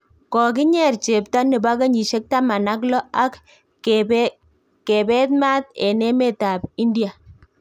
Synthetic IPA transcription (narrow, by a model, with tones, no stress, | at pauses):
kɔ˨kɪ˦ɲɛ˦˨rt͡ʃe˨p̚ta˦nɪ˨ba˦ka˦ɲi˨ʃe˦k̚ta˦ma˨na˦k̬lɔ˦a˦k | ke˨bɛ˦t̪̚ma˦t̪e˨nɛ˦me˦ta˨bi˦ndi˨a˨